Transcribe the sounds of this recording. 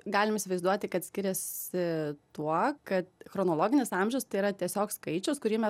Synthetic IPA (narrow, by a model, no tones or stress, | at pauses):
ɡɑːlʲɪmiːsʲɪʋɐɪzd̪uɔt̪ʲɪkɐt̪sʲkʲɪɾʲɛsʲɪt̪uɔkɐt̪xɾonoːlˠoːɡʲɪnʲɪsɑmʲʒʲɛʊst̪ɐɪiɾɐt̪ʲiɛsʲoːkskɐɪt͡ʃʲɛʊskʊɾʲiːmʲɛ